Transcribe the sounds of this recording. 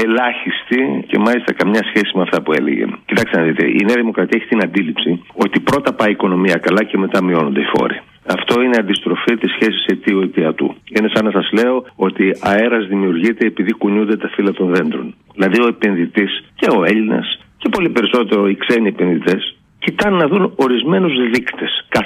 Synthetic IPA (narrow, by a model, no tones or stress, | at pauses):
e̞lɐçist̪ice̞̰mɐlist̪ɐkɐmɲɐsçe̞simeɐft̪ɐpue̞̰lḛʝḛcit̪ɐkst̪enɐðit̪e̞̰ʔḭneɐðimo̞kɾɐt̪iɐeçit̪inɐnd̪ilipsio̞t̪ipɾo̞t̪ɐpɐiko̞no̞miɐkɐlɐce̞me̞t̪ɐmio̞no̞nd̪eifo̞̰ɾḭ | ɐft̪o̞ineɐnd̪ist̪ɾo̞fit̪isçe̞siset̪ioit̪iɐt̪ṵinesɐnɐsɐzle̞o̞o̞t̪iɐe̞ɾɐzðimiuɾʝit̪e̞ːpiðikuɲund̪e̞t̪ɐfilɐt̪onðe̞nd̪ɾo̞n | ðilɐðio̞epe̞nðit̪isce̞o̞e̞ʎinɐ̰sce̞po̞lipe̞ɾiso̞t̪e̞ɾo̞ikseniepenðit̪e̞s | cit̪ɐnːɐðuno̞ɾizme̞nuzðikt̪eskɐ